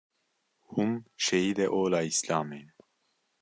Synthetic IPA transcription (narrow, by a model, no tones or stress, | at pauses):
humʃɛjiːd̪ɛʔoːlaːislaːmeːn